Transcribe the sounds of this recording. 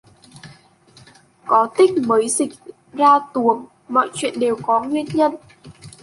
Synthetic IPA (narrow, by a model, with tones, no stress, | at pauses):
kɔ˨˦t̪ï˦˥k̟̚məː˨˦jzï˨˩k̚ | zaː˧t̪u˨˦əŋ | mɔ̰˧˨jt͡ɕwḭ˧˨ənɗe˨˩wkɔ˨˦ŋwi˧ənɲə˧n